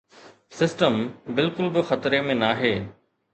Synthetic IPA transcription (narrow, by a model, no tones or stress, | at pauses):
sɪsʈəmbɪlkʊlbɪxɐt̪ɾemẽnaːɦeː